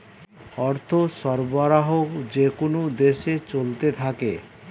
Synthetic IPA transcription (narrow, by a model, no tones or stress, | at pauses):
ɔɾt̪ʰoʃɔɾboɾaɦokd͡ʑekonod̪eʃet͡ɕolt̪et̪ʰake